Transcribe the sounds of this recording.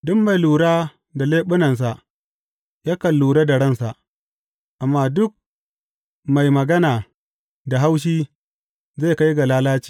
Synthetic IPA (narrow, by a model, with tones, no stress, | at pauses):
dʊ˦mːa˨jluː˨ɽaː˦ | da˨leː˦ɓʊ˦nɐ˨ns̬a˨ʔ | jaː˦kɐ˨lːuː˨ɽaː˦da˨ɽɐ˦nsa˨ʔ | ʔa˨mːaː˦dʊ˦k̚ | ma˨jmɐ˨ɡɐ˦naː˨ | da˨ɦa˦wʃ̬iː˦ | za˦˨ka˦jɡa˨laː˦laː˦t͡ʃi̥ː˨